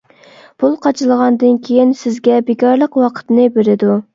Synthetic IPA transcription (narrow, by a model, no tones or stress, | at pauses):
pʰulˠqʰɑt͡ʃʰɨlˠəʁɑnd̪ɨnkʲʰejinsɪzɡʲɛbekʲɑɾlˠəqwɑqʰə̥t̪nɨbeɾɪd̪u